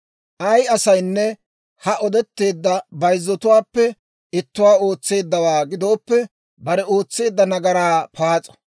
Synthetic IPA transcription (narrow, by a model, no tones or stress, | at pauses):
ʔɐjɐsɐjnːɛ | hɐʔɔd̪ɛt̪ːe̞ːd̪ːɐbɐjzːɔt̪ʊwaːpːɛ | ɪt̪ːʊwaːo̞ːt͡sːe̞ːd̪ːɐwaːɡɪd̪o̞ːpːɛ | bɐɾɛo̞ːt͡sːe̞ːd̪ːɐnɐɡɐɾaːpʰaːt͡sʼɔ̥